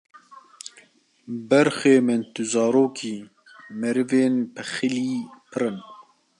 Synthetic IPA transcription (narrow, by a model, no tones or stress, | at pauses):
bɛɾxeːmɨnt̪ɨzɑːɾoːkʰiː | mɛɾɨveːnpʰɨxɨliːpʰɨɾɨn